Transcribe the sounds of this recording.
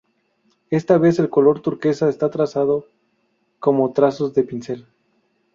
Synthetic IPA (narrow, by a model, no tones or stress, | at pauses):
e̞st̪aβe̞se̞lko̞lo̞ɾt̪uɾke̞saest̪at̪ɾasað̞o | ko̞mo̞t̪ɾaso̞zðe̞pinse̞l